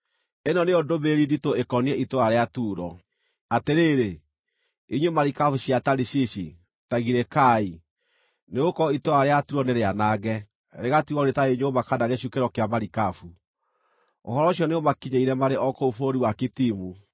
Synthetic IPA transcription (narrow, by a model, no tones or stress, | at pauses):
enɔneodobeɾinditoekɔniɛʔitoaɾeatuːɾɔ | ateɾeːɾe | iɲwemaɾikafuɕiataɾiɕiɕi | taɣiɾekai | neokɔitoɾaɾeatuɾɔneɾeanaɣɛ | ɾeɣatiɔnetaeɲweomakadaɣeɕukeɾɔkeamaɾikafu | oɦɔɾɔɕiɔneomakiɲeiɾɛmaɾeʔɔkoofoɾiwakitimu